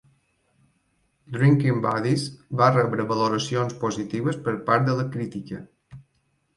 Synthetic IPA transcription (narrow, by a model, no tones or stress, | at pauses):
d̪ɾiŋkimbaðizbarɛβɾəβəloɾəsionspozit̪iβəspəɾpaɾt̪̚d̪ələkɾit̪ikə